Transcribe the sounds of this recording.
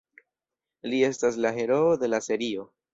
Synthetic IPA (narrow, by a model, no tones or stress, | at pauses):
lie̞stas̬laɦe̞ɾo̞od̪e̞lase̞ɾio̞